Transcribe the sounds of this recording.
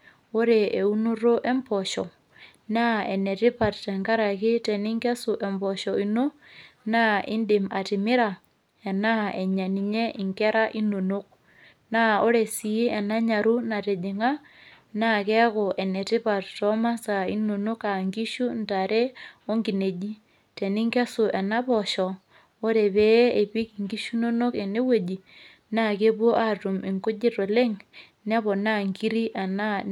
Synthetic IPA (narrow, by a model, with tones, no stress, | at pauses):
o˦ɾe˨e˨u˦nu˦ɾo˦ʔɛ˦mpɔ˨ʃɔ˨ | na˦ɛ˨nɛ˨ti˦pa˨ttɛ˨ŋɡa˦ɾa˨kɪ˦tɛ˨ni˦ŋkɛ˦su˨ʔɛ˨mpɔ˨ʃɔi˦no˦ | na˦ʔɪ˦ndɪ˨ma˨ti˨mɪ˦ɾa˨ | ɛ˨na˦ɛ˨ɲa˨ni˨ɲɛ˦ʔi˨ŋkɛ˦ɾa˦ʔi˦nu˨nu˦k̚ | na˦o˦ɾe˨si˨i˦ɛ˨na˦ɲa˨ɾu˦na˨ɾɛ˨d͡ʒɪ˨ŋa˦ | na˦kɛ˦ko˨ʔɛ˨ne˨te˦pa˨ɾtɔ˦ma˦sa˨ḭ˦no˨no˦ka˨ŋɡi˦ʃu˦nta˨ɾʔe˦o˦ŋɡi˨ne˨d͡ʒi˦ | te˨ni˦ŋke˦so˨ɛ˨na˦βɔ˨ʃɔ˨ | o˦ɾe˨βe˦e˨βi˦ki˨ŋɡi˦ʃu˦no˦no˦ke˨ne˦we˨d͡ʒi˨ | na˦˨ke˦βwo˦ʔa˦tu˨me˨ŋko˦d͡ʒe˦ɾo˨le˦ŋ | n˦a˦βɔ˨na˦ŋki˦ɾi˦ʔa˨na˦